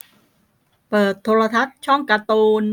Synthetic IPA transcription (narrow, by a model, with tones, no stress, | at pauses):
pɤː˨˩t̪ʰːoː˧la˧t̪ʰa˦˥t̪̚t͡ɕʰɔ˥˩ŋka˧t̪oː˧n